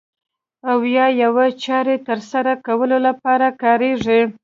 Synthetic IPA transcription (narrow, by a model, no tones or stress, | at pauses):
awjɑjawat͡ʃɑɾet̪əɾsaɾakawəlolapɑɾakɑɾeʐi